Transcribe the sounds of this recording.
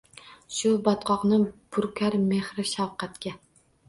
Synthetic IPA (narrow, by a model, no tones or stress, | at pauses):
ʃubɑt̪qʰɑqnɨb̥uɾkʲʰæɾmeχɾɪʃɑwqæt̪kʲɛ